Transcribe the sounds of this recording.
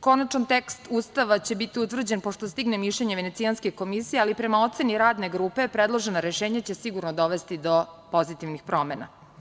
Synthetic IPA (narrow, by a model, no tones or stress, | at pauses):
ko̞nat͡ʃnant̪ekst̪uːst̪aʋat͡ɕe̞bit̪iut̪vr̩d͡ʑe̞npoʂt̪ost̪iɡnemiʃʎeɲeʋene̞t̪sijanskeko̞misijealipɾe̞mao̞t̪se̞niɾaːd̪ne̞ɡɾuːpe̞pɾed̪lˠo̞ʒe̞noɾeʃeːɲat͡ɕe̞siɡuɾnod̪o̞ʋest̪id̪o̞po̞zit̪iʋnixpɾo̞mena